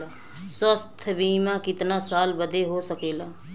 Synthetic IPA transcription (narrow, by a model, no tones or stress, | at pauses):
səst̪ʰbiːmãkɪt̪nasaːlbəd̪eɦosəkeːlaː